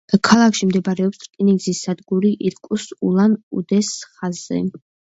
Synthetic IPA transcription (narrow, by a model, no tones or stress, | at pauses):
kʰalˠakʰʃimd̪ɛbaɾɛɔpsɾkʼiniɡzisːad̪ɡuɾiʔiɾkʼusulˠanud̪ɛsχazɛ̰